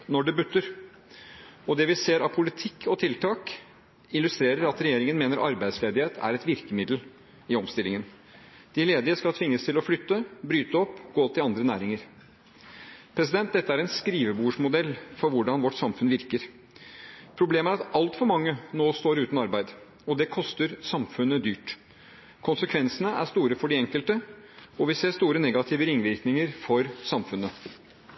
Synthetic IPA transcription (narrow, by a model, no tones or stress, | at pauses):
nɔɖɛbʉt̪ːəɾ | ɔd̪ɛʋɪseːɾɑpʰʊlɪt̪ʰɪkʰːɔt̪ʰɪlt̪ʰɑːk | ɪlːʉst̪ɾeːɾəɾɑt̪ɾɛjeːɾɪŋənmeːnəɾʔɑɾbæɪd̪sleːd̪ɪheːt̪ʰæ̰ɾɛt̪ʋɪɾkəmɪd̪l̩ | ɪɔmst̪ɪlːɪŋən | d̪̥ɪleːd̪ɪəskɑlt̪ʰʋɪŋːəst̪ʰɪlɔflʏt̪ːəbɾyːt̪əɔpːɡ̥oːt̪ʰːɪlɑnd̪ɾənæːɾɪŋəɾ | pʰɾɛs̬ɪd̪ɛnt̪̚d̪ɛt̪ːəæɾɛnskɾiːʋəbuːʂmʊd̪ɛlːfɔɾʋʊɖɑnʋɔʈːsɑmfʉnʋɪɾkəɾ | pʰɾʊbleːməæɾɑt̪ɑlt̪fɔɾmɑŋːənoːst̪oːɾʉːt̪nɑɾbæɪd̪ | ɔd̪ɛkʰɔst̪əɾsɑmfʉnəd̪yːʈ | kʰʊnsəkʰʋɛnsənəæ̰ʂt̪uːɾəfɔɖɪɛŋkəlt̪ə | ɔʋɪseːst̪uːɾənɛɡɑt̪ʰɪːʋəɾɪŋʋɪɾknɪŋəɾfɔɾsɑmfʉnːə